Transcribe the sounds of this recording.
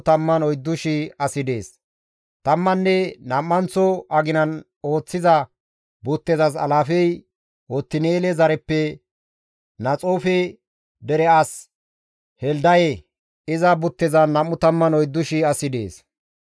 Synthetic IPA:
t̪ɐmːɐnɔjd̪ːʊʃɪɐsɪd̪e̞ːs | t̪ɐmːɐnːɛnɐmːɐnt͡sɔʔɐɡɪnɐn | o̞ːt͡sːɪzɐ | bʊt̪ːɛzɐs̬ɐ̰laːfɛj | wɔt̪ːɪneːlɛzɐɾɛpːɛ | nɐt͡sʼoːfɛ | d̪ɛɾɛɐs | hɛld̪ɐjɛ | ɪzɐbʊt̪ːɛzɐnɐmːʊt̪ɐmːɐnɔjd̪ːʊʃɪɐsɪd̪ḛːs

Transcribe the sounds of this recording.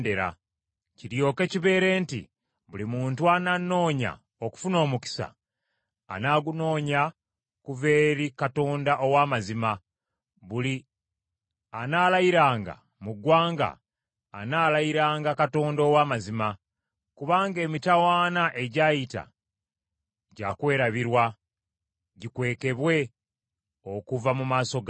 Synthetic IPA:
de̞ɾa̰ | ciɾjo̞ːke̞ciβe̞ːɾe̞ːntḭ | βulimuːntuananːo̞ːɲa̰ | oku̥funo̞ːmuki̥sa̰ː | naːɡuno̞ːɲa | kuve̞ːɾikato̞ːndaʔo̞waːmazima | βuli | anaːlajiɾaːŋɡa̰ | muɡwaːŋɡa̰ː | naːlajiɾaːŋɡakato̞ːndowaːmazima | kuβaːŋɡe̞ːmitawaːnaʔe̞ɟaːjita̰ | ɟakwe̞ːɾaβiɾwa | ɟikwe̞ːke̞βwe̞ | o̞kuvamumaːso̞ɡ

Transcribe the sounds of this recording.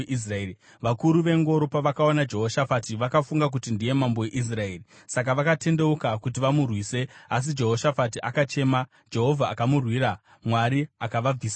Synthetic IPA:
is̬raeːi | ʋakuɾuʋe̞ŋɡo̞ɾopaʋakaonad͡ʒe̞ɦoʃafatiʋakafuŋɡak̬utindije̞mambo̞jeʔis̬rae̞ːri | sak̬aʋakate̞nde̞ukakut̬iʋamurwiːse̞as̬id͡ʒe̞ɦo̞ʃafat̬iʔakat͡ʃe̞ːma | d͡ʒe̞ɦo̞vʱaːkamurwiɾa | mwaɾiakaʋab͡viːsa

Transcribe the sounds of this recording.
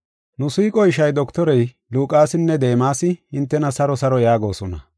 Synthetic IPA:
nʊsiːkʼɔɪʃɐjd̪ɔkt̪ɔɾɛj | luːkʼaːsɪnːɛd̪e̞ːmaːsɪhɪnt̪ːɛnɐsɐɾɔsɐɾɔjaːɡo̞ːsɔnɐ

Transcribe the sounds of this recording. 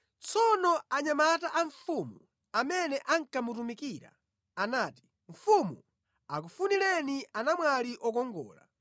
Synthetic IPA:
t͡sɔnɔaɲamataʔaɱfumu | amɛnɛʔaŋ̩kamutumikiɾa̰ | anaːti̥ | ɱ̩fumu | akufunilɛniʔanamwaliʔɔk̬ɔŋɡɔ̰ːla̰

